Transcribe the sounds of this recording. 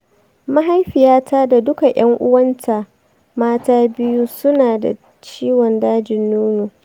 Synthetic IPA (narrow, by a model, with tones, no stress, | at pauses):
ma˦ɦa˦jɸi˨jaː˦tʰaː˦da˨dʊ˦ka˨j̰ɐ˦ŋʔʊ̰˦wɐ˦ntʰa˨ | maː˦taː˦bɪ˦ju˦sʊ˦naː˨da̰˨ | t͡ʃiː˦wɔ˨ndaː˦d͡ʒɪ˨nːuː˦nuː˨